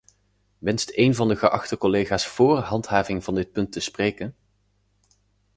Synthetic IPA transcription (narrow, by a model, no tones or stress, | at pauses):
ʋɛnstejnvɑndəχəʔɑχtəkɔlejχaːsfʊːrɦɑntɦaːvɪŋvɑndɪt̚pɵntəsprejkən